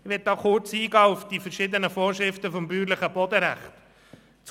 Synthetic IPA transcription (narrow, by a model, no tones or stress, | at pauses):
ʋɛt̚d̥̪ɑːχʊɾt͡siːɡɑːʊfd̥ifəɾʃɪd̪ənəfoːɾʃɾɪft̪əfɔmbyːɾləχəbɔd̪əɾæχt̪ | t͡s